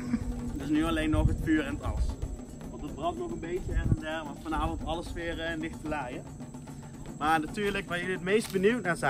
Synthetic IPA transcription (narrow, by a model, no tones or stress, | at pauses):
dɪsnyɑlejnːɔxɦətfyːɾɛnətɑ̰ləs | ʋɑntəd̚brɑntnɔɣənbejtəɛχəndɛʋɑtfɑnaːvɔntɑləsfɪːrəndɪxtəlajə | maːɹnatyːɹləkʋajəətmejst̚bənywtnaːzɛ